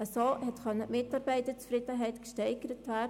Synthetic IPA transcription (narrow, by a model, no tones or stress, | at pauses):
əsoːhɛtxœnːəmɪtɑɾbɛɪtət͡sfrɪdəɦɛɪtkʃtɛɪɡ̥əɾətʋæːd